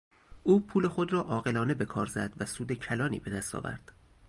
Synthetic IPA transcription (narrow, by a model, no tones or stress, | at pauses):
ʔuːpʰuːle̞xo̞d̪rɒːʔɒːɣe̞lɒːne̞be̞kʰɒ̰ːɾzæ̰d̪væsuːd̪ecʰælɒːnḭːbe̞d̪æst̪ʰɒ̰ːvæ̰ɾd̪̥